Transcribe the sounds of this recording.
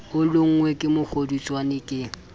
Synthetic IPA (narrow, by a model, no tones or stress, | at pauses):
ʊlʊŋ̩ŋwekʼɪmʊk͡xʰodit͡sʼwanɪkʼɪ